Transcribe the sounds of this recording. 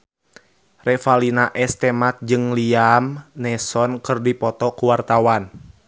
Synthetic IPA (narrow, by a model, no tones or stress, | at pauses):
rɛfalinaʔɛst̪ɛmat̪̚d͡ʒɨŋliamnɛsɔnkɨrdipɔt̪ɔkuwart̪awan